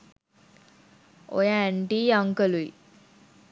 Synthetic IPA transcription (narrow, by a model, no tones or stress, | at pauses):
o̰jaɛɳɖiːjaŋkəlujḭ